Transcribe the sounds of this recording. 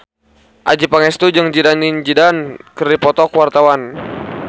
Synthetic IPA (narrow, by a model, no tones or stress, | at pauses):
ʔa̰d͡ʒipaŋɛst̪ud͡ʒɨŋd͡ʒidanind͡ʒidankəripɔt̪ɔkwart̪awan